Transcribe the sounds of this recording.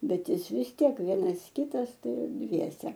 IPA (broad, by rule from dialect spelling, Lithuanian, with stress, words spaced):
ˈbʲɛt ˈjɪs ʋʲɪs ˈtʲiɛk ˈʋʲiɛnɐs ˈkʲɪtɐs ˈtɐɪ ɪr ˈdʲʋʲiɛsʲɛ